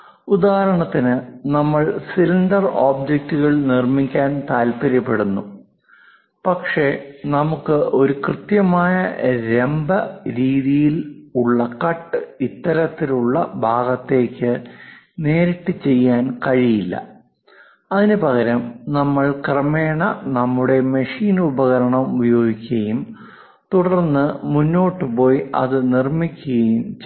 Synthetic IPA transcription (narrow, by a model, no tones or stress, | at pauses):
ud̪aːɦɐɾɐɳɐt̪ːinɨnɐmːɐɭsiliɳdɐroːbd͡ʑek̚tuɣɐɭnirmikʲːaːnt̪aːlpɐɾɐpːe̞ɽunːu | pɐkʂe̞nɐmukːɨo̞ɾukrɨt̪jɐmaːjɐɾe̞mbɐɾiːðijiluɭːɐkɐʈːɨit̪ːɐɾɐt̪ːiluɭːɐbʱaːɡɐt̪ːe̞ːkʲːɨ | ne̞ːɾiʈːɨt͡ɕe̞jːaːnkɐɻijilːɐ̰ | ɐðinɨpɐɣɐɾɐmnɐmːɐɭkrɐme̞ːɳɐnɐmːuɽe̞mɐʂiːnubɐɣɐɾɐɳɐmubɐjo̞ːɡikʲːɐjum | t̪uɽɐɐrnːɨmunːo̞ːʈːɨpo̞ːjɐ̰ðɨnirmikʲːuɣɐjum